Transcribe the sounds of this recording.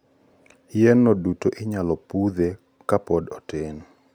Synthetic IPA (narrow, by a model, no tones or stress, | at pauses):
jɛnːɔdutoʔɪɲalɔpud̪e | kapɔdɔten